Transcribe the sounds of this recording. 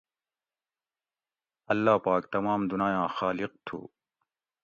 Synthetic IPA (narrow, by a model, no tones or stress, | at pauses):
ɐlːaːpaːkt̪ɐmaːmd̪unaːjãːxaːliq̚t̪ʰṵː